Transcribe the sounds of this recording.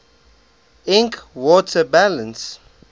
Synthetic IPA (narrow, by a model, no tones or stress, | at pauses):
ɪ̃ŋkwɔtʰəbalə̃ns